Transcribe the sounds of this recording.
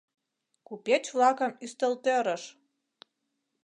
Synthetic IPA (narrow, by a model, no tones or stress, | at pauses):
kupʲet͡ɕvlɑkə̆myst̪ə̆lt̪øɾə̆ʃ